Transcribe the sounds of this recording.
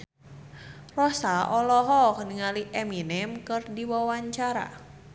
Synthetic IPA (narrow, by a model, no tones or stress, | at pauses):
rɔsaʔɔlɔɦɔkəniŋaliʔɛminɛmkɨrdiwawaɲt͡ʃaɾa̰